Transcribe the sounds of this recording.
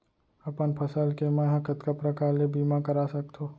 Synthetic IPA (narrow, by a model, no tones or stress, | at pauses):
ɐpənpʰɐsəlkemɛ̃ɦɐ̃kət̪kəpɾɐkaːɾlebʱiːmakɐɾaːsɐkt̪ʰoː